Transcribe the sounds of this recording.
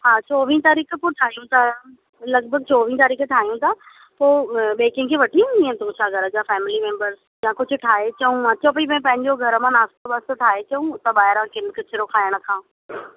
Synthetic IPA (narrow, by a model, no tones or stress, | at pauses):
ɦaːt͡ɕoːʋĩnt̪aːɾiːkʰpoːʈʰaːɦijũt̪ʰa | lɐɡbʱəɡ̚t͡ɕoːʋĩːt̪aːɾiːkʈʰaːɦijũt̪ʰaː | poːɓeːkɪ̃ŋɡkʰeːʋɐʈʰiũĩːə̃t̪ũt͡ɕʰaɡʱɐɾəd͡ʑaːfɛːmɪlimẽːmbəɾz | jãkʊd͡ʑʱʊʈʰaːɦet͡ɕɐũɐt͡ɕʰopɐimɛ̃ːpɐ̃ɦɪ̃ɲd͡ʑoɡʱɐɾəmãnaːst̪obast̪oʈʰaːet͡ɕɐũt̪aɓaːɦɪɾãkɪnkɪt͡ɕʰɪɾokʰaːɪjəɽ̃ə̆kʰãː